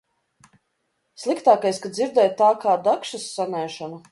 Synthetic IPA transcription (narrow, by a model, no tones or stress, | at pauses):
slˠikt̪aːkajskaziɾd̪ɛːjt̪aːkaːd̪akʃasːanɛːʃanu